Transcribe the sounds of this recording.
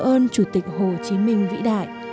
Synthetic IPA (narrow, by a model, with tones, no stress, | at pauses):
ʔəː˧nt͡ɕu˧˩t̪ï˨˩k̚ho˨˩t͡ɕi˨˦mï˧ŋ̟vḭ˧˥ɗa̰ː˧˨jʔ